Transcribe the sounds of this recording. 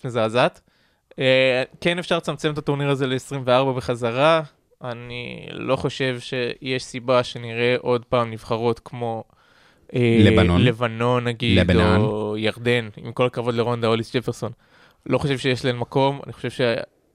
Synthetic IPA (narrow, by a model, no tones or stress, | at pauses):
nezeːzat̪ | ekene̞fʃaʁlt͡samt͡semet̪at̪o̞ʁniʁaze̞le̞ːsʁimveaʁbabeχazaʁa | anḭlo̞χo̞ʃe̞vʃe̞jeʃsibaʃe̞niʁe̞ʔo̞d̪paːmniv̥χaʁo̞t̪kmo̞ | elele̞vano̞nːaɡidojaʁd̪e̞nḭmko̞lakavo̞d̪leʁo̞nd̪ao̞lisd͡ʒefeʁso̞n | lo̞χo̞ʃe̞vʃe̞jeʃlaenmako̞ma̰niχo̞̥ʃe̞vʃe